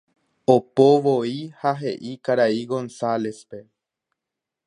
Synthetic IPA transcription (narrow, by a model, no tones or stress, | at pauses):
opoʋoihaɦe̞ʔikaɾaiɡo̞nsale̞spe̞